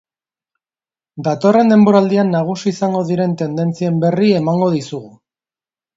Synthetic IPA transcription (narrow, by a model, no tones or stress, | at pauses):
d̪at̪o̞re̞nd̪e̞mbo̞ɾald̪ianːaɣ̞usiːsaŋɡo̞ðiɾe̞nt̪e̞nd̪e̞nt͡sie̞mbe̞rie̞maŋɡo̞ðisuɣu